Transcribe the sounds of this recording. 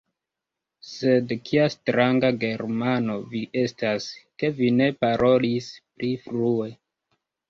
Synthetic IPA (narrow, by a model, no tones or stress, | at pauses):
se̞dkʰiastɾaŋɡaɡe̞ɾmano̞viʔe̞staske̞vine̞paɾʔo̞lispɾifɾue̞